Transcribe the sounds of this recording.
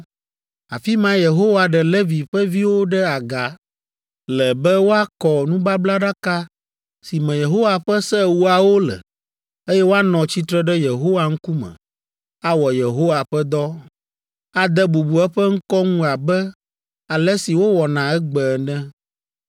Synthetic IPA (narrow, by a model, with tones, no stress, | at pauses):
a̰˨fi˦mã˦je˨ɦo˦wa˨ɖɛ˨le˦vi˨ɸɛ˦vi˦wo˦ɖɛ˦a˨ɡa˨ | lɛ˨bɛ˦wo˦a˦kɔ˨nũ˦ba˦bla˦ɖa˦ka˦ | si˨mɛ̃˨je˨ɦo˦wa˨ɸɛ˦sɛ˦wu˦a˨wo˦lɛ̰˨ | e˦jɛ˦wo˦a˦nɔ̃˨t͡ɕi˦t̪ɾɛ˦ɖɛ˦je˨ɦo˦wa˨ŋ̩˦ku˦mɛ̰̃˨ | a˦wɔ˨je˨ɦo˦wa˨ɸɛ˦d̪ɔ˦ | a˦d̪ɛ˦bu˨bu˨ɛ˦ɸɛ˦ŋ̩˦kɔ˦ŋũ˦a˨bɛ˦ | a˨lɛ˦si˨wo˦wɔ˨nã˨ɛ˦ɡ͡bɛ˨nɛ̃˦